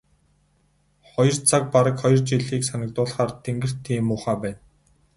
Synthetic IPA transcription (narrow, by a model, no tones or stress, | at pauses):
χɔjɞ̆rt͡sʰak̚paɾə̆kχɔjɞ̆rt͡ɕiɮiːksanə̆k̚t̪ʊːɮχaːrt̪ʰeŋɡɘ̆r̥t̪ʰːiːmʊːχaːpæːn